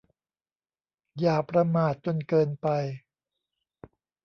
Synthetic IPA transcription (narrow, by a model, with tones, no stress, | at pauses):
jaː˨˩pɾa˧maː˨˩t̪̚t͡ɕo˧nkɤː˧npa˧j